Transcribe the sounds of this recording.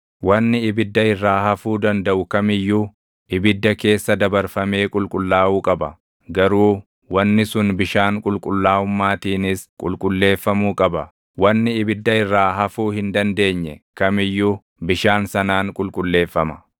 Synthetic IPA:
wɐnːɪɪbɪd̪ːɐɪrːaːhɐfuːd̪ɐnd̪ɐʔʊkɐmɪjːu | ʔɪbɪd̪ːɐke̞ːsːɐd̪ɐbɐɾfɐme̞ːkʼʊlkʼʊlːaːuːkʼɐbɐ̰ | ɡɐɾuː | wɐnːɪsʊnbɪʃaːŋkʼʊlkʼʊlːaːʊmːaːt̪iːnɪskʼʊlkʼʊlːe̞ːfːɐmuːkʼɐbɐ | wɐnːɪɪbɪd̪ːɐɪrːaːɦɐfuːhɪnd̪ɐnd̪e̞ːɲːɛkɐmɪjːu | bɪʃaːnsɐnaːŋkʼʊlkʼʊlːe̞ːfːɐmɐ

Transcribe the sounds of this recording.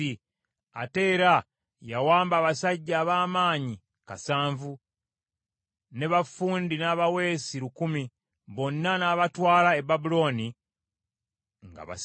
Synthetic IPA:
i | a̰te̞ːɾa | jawaːmbaːβasaɟːaːβaːmaːɲi | ka̰saːɱvu | ne̞βafuːndinaːβawe̞ːsiɾukumi | βo̞nːanaːβatwaːlaebabulo̞ːni | ŋɡa̰βa̰

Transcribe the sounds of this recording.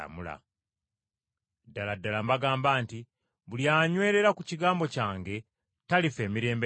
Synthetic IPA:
a̰mula̰ | dːaladːalambaɡaːmbaːnti | βuljaːɲwe̞ːɾe̞ɾakuciɡaːmbo̞caːŋɡe̞ | talife̞ːmiɾe̞ːmbe

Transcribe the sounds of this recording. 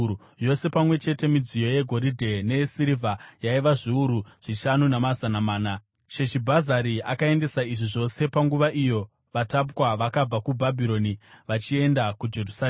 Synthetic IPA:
o̞se̞pamwe̞t͡ʃe̞te̞mid͡zijo̞je̞ɡʱo̞ɾidʱe̞ne̞siɾivʱajaiʋaʐiuɾuʐ̥iʃanunemazanamaːna | ʃe̞ʃibʱazaɾiakae̞nde̞saiʐiʐo̞se̞paŋɡuʋaʔijo̞ | ʋatap̬waʋakab͡vakubʱabʱiɾo̞niʋat͡ʃie̞ndakud͡ʒe̞rusa

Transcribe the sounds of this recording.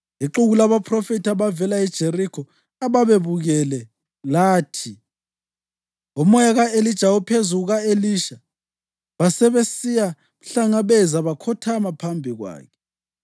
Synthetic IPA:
iǃuɣulaβapʰrɔfitʰaβavɛlaɛd̥ʒ̥ʱerikʰɔ | aβaβeβuɣɛlɛ | laːtʰi | umɔjaɣaelid̥ʒ̥ʱaupʰezuɣuɣaeliʃa | βasɛβesija | muɬaŋaβɛzaβakʰɔtʰamapʰambʱiɣwa̰ːkʰɛ̥

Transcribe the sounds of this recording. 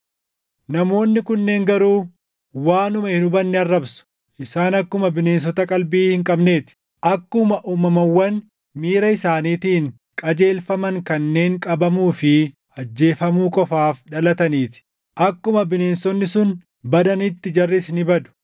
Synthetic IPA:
nɐmo̞ːnːɪkʊnːe̞ːŋɡɐɾuː | waːnʊmɐhɪnʊbɐnːɪɐrːɐbsʊ̥ | ʔɪsaːnɐkːʊmɐbɪne̞ːns̬ɔt̪ɐkʼɐlbiːhɪŋkʼɐbne̞ːt̪ɪ̥ | ʔɐkːʊmɐʔuːmɐmɐwːɐn | miːɾɐɪsaːniːt̪iːŋ | kʼɐd͡ʒe̞ːlfɐmɐŋkɐnːe̞ːŋkʼɐbɐmuːfɪ | ɐd͡ʒːe̞ːfɐmuːkʼɔfaːfᶑɐlɐt̪ɐniːt̪ɪ̥ | ʔɐkːʊmɐbɪne̞ːnsɔnːɪsʊn | bɐd̪ɐnɪt̪ːɪd͡ʒɐrːɪsnɪbɐd̪ʊ̥

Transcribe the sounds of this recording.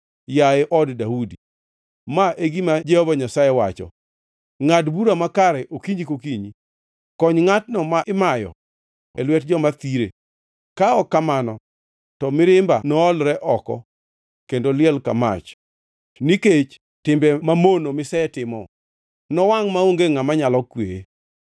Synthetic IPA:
jaɪʔɔddaudi | maʔeɡimad͡ʒɛhovaɲasajewa̰t͡ʃɔ̰ | ŋadbuɾamakaɾɛʔokiɲd͡ʒikokiɲi | kɔɲŋat̚nɔmaʔɪmajɔ̰ | ɛlwɛt̚d͡ʒɔmat̪iɾḛ | kaɔkːamanɔ | tɔmɪɾɪmbanɔːlɾɛʔɔkɔ̰ | kendolɪɛlka̰ma̰t͡ʃ | niket͡ʃ | tɪmbɛmamonomɪsɛɛtɪmɔ | nɔwaŋmaoŋɡeŋamaɲalɔkwḛḛ

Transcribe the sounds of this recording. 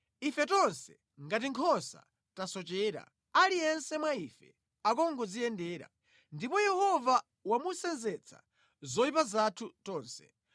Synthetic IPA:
ifɛtɔnsɛ | ŋɡat̬iŋkʰɔnsa̰ | tasɔt͡ʃɛːɾa̰ | alijɛnsɛmwaifɛ̰ | ak̬ɔŋɡɔd͡zijɛndɛːɾa̰ | ndipɔjɛhɔva | wamusɛnzɛt͡sʰa̰ | zɔipazatʰutɔːnsɛ̥

